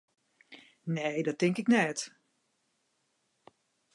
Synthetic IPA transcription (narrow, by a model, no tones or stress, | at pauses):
neːdɔt̚ɪŋkɪknɛt